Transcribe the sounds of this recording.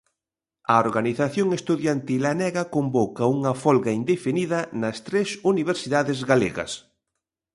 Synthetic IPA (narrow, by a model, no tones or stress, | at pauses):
ɐoɾɣaniθaθjoŋest̪uðjant̪ilanɛɣɐkombokɐuŋɐfɔlɣɐind̪efiniðɐnɐst̪ɾɛsuniβ̞eɾsiðaðɪzɣalḛɣɐ̰s